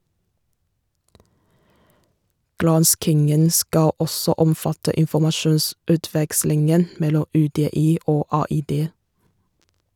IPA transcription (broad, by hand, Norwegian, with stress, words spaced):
ˈɡɾɑnskɪŋən ˈskɑ ˈɔsɔ ˈɔmˌfɑtə ɪnfɔmɑˈʃuːnsʉːˌtʋɛkslɪŋən ˈmɛlɔ ˌʉːˌdeːˈiː ˈoː ˌɑːˌiːˈdeː